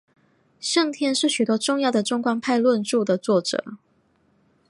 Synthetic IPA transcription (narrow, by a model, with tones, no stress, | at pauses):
ɕɤ˥˧ŋt̪ʰjɛ˥˧nʂɻ̩˥˩ɕy˨˩t̪wɔ˥ʈ͡ʂʊ˥˧ŋjɑ˥˩ʊd̪ə˩ʈ͡ʂʊ˥ŋkwa˥npʰa˥˧ɪlwə˥˧nʈ͡ʂu˥˩d̪ə˩t͡swɔ˥˩ʈ͡ʂɤ̰˨˩˦